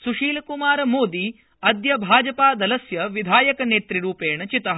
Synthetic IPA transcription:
suʂiːlɐkumaːɾɐmoːd̪i | ɐd̪jɐbʱaːd͡ʒɐpaːd̪ɐlɐsjɐʋid̪ʱaːjɐkɐneːt̪ɾiɾuːpeːɳɐt͡ʃit̪ɐɦ

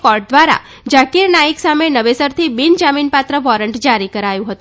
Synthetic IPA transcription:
kɔɾɖ̚d̪ʋaɾa̰ | d͡ʒakiɾnaiksamenəʋesəɾt̪ʰibind͡ʒaminpat̪ɾəʋɔɾəɳʈd͡ʒaɾikəɾajũɦət̪ũ

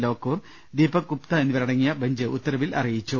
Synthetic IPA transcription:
lo̞ːkːuːr | d̪iːbɐkupt̪ɐenːiʋɐɾɐɽɐŋːijɐbɐɲd͡ʑɨʔut̪ːɐɾɐʋilʔɐ̰rijit͡ɕːu

